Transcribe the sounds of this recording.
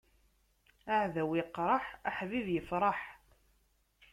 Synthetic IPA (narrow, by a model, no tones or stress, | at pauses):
aʕðæwiqːɾˤɑħaħviðjəfɾˤɑħ